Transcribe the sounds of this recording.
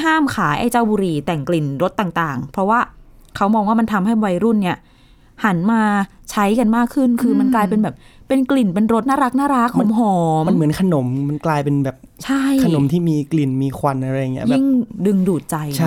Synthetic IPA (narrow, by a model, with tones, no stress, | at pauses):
ɦaː˥˩mkʰaː˩˦jʔa˧jt͡ɕaː˥˩wbuː˧ɾiː˧t̪ɛ˨˩ŋkli˨˩nɾo˦˥t̪ːaː˨˩ŋt̪aː˨˩ŋpʰɾɔ˦˥waː˥˩kʰa˦˥wmɔː˧ŋwaː˥˩ma˧nt̪ʰa˧mɦa˥˩jwa˧jɾu˥˩nːi˥˩ɐ | ha˩˦nmaː˧t͡ɕʰa˦˥jka˧nmaː˥˩kʰːɯ˥˩nkʰɯː˧ma˧nklaː˧jpe˧nbɛː˨˩p̚pe˧nkli˨˩npe˧nɾo˦˥t̪̚naː˥˩ɾa˦˥k̚naː˥˩ɾa˦˥k̚ʰhɔ˨˩˦mɦɔː˨˦ma˧nmɯ˩˦ənkʰa˧no˩˦mma˧nklaː˧jpe˧nbɛː˨˩p̚t͡ɕʰa˥˩jkʰa˧no˩˦mt̪ʰiː˥˩miː˧kli˨˩nmiː˧kʰwa˧nʔa˧ɾa˧jːa˨˩ŋi˦˥jbɛː˨˥˩ŋdɯ˧ŋduː˨˩t̪̚t͡ɕa˧jt͡ɕʰ